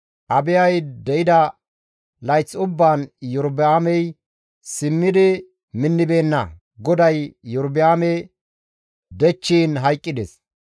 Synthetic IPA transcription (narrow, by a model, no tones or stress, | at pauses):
ʔɐbɪjɐjd̪ɛjɪd̪ɐ | lɐjt͡sːʊbːaːnjɔɾbɪaːmɛj | sɪmːɪd̪ɪ | mɪnːɪbe̞ːnːɐ̰ | ɡɔd̪ɐjːɔɾbɪaːmɛ | d̪ɛt͡ʃːiːnɦɐjkʼːɪd̪ɛs